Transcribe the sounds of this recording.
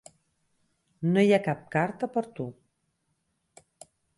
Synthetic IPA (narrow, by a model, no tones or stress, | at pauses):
nojakap̚kaɾt̪əpəɾt̪u